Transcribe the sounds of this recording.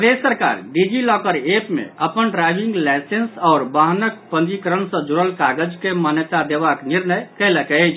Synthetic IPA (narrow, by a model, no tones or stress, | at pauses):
əd̪esːəɾka̰ɾɖid͡ʒilɔkəɾepmḛəpənɖɾajbʱiŋɡlɛsensɔʊɾbaɦnək̚pənd͡ʒikəɾənsə̃d͡ʒuɾəlkaɡəd͡ʒkemanət̪ad̪ebakniɾnəjkələkət͡ʃʰ